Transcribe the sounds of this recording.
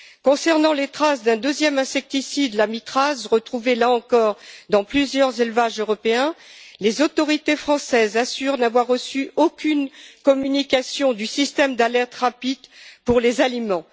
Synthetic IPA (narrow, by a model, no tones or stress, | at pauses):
kɔ̃sɛʁnɑ̃let̪χasd̪ɛ̃d̪øzjɛmɛ̃sɛk̚t̪isid̪lamit̪χazʁət̪χuvelaɑ̃kɔʁd̪ɑ̃plyzjœʁzelvaʒøʁɔpeɛ̃lezot̪ɔʁit̪efχɑ̃sɛzasyʁnavwaʁːəsyokʲʰynkɔmynikasjɔ̃d̪ysist̪ɛmd̪alɛʁt̪ʁapid̪puʁlezalimɑ̃